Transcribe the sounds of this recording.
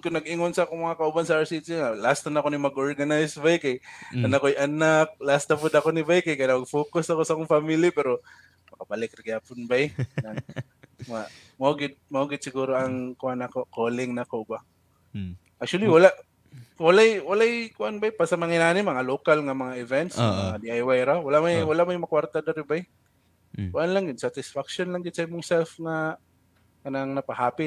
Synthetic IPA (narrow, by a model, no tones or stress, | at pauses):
kʊnɐɡɪŋonsɐakoŋmɐŋakɐʔʊbansɐaɹsit͡ʃiŋalast̪anakonimɐɡʔoɹɡanajsbajkajkɐnakojʔɐnak̚last̪apʊd̪ɐkonɪbajkajkajnamɐɡfoːkʊsaɐkosɐʔakoŋfamilipɛɾo | mɐkɐbalɪkrɪɡapʊnbajna | ŋa | mɐoɡɪd̪̚mɐʔoɡɪd̪sɪɡuːɾoʔɐŋkʊʔanɐkokoːlɪŋnɐkoba | ʔak̚t͡ʃʊaliwɐlaʔ | wɐlajwɐlajkʊʔanbajpasɐmɐŋɪnaːnɪmːɐŋaloːkalŋɐmɐŋaʔɪvɛnt̪smŋad̪iʔajwajɾawɐlaʔmajwɐlaʔmajmɐkwaɾt̪ad̪aɾɪbaj | kʊʔanlaŋɡɪd̪sat̪ɪsfakʃonlaŋɡɪd̪sɐɪmʊŋsɛlfŋa | kɐnaŋnɐpɐhaːpɪ